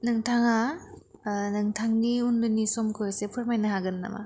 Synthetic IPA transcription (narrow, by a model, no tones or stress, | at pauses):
nɯŋtʰaŋa | nɯŋtʰaŋniundunːisɔmkʰɯjsepʰɯɾmajnɯɦaɡɯnːa̰ma̰